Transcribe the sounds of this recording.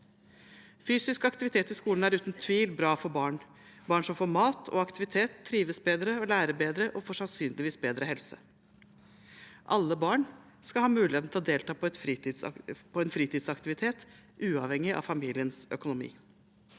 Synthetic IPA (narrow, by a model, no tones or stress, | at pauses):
fyːsɪskɑkt̪ɪʋɪt̪ʰeːt̪ɪskuːln̩æɾʉːt̪n̩t̪ʰʋiːlbɾɑːfɔɾbɑːɳ | bɑːɳʂɔmfoːɾmɑːt̪ʰɔ̰ɑkt̪ɪʋɪt̪ʰeːt̪ʰːɾiːʋəsbeːd̪ɾəɔlæːɾəbeːd̪ɾəʔɔfoːʂɑnsyːnlɪʋiːsbeːd̪ɾəhɛlsə | ʔɑlːəbɑːɳ | skɑlhɑːmʉːlɪet̪n̩t̪ʰɪlɔd̪eːlt̪ʰɑːpʰɔɛt̪fɾ | pʰɔɛnfɾiːt̪ɪːd̪sɑkt̪ɪʋɪt̪ʰeːt̪ʔʉːɑʋhɛŋːɪʔɑ̰ʋfɑmiːlɪənsœ̰kʊnʊmḭː